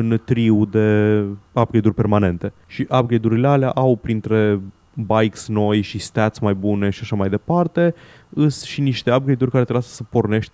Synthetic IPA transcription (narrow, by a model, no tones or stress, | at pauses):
ɨnt̪ɾiud̪e̞ap̚ɡed̪urʲpe̞rmane̞nt̪e̞ʃiʔap̚ɡejd̪uɾileala̰ʔawpɾint̪ɾe̞ | bajksno̞jʃist̪at̪sʲmajbune̞ʃiaʃamajd̪e̞part̪e̞ | ɨsʃiniʃt̪e̞ap̚ɡejd̪urʲkaɾet̪ɾeaskə̥səpo̞rne̞ʃt̪ʲ